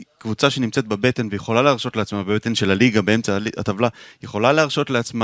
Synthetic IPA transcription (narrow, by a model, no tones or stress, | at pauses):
kvut͡saʃenimt͡set̪bebe̞t̪e̞nvejeχo̞laleaʁʃo̞tleat͡smabebe̞t̪e̞nʃe̞laliɡabee̞mt͡salia̰t̪avlajeχo̞laleaːʁʃo̞tleat͡sma